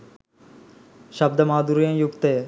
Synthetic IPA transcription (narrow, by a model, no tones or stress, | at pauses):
ʃɐb̚d̪ʱɐmaːd̪uɾijɐ̃mjukt̪e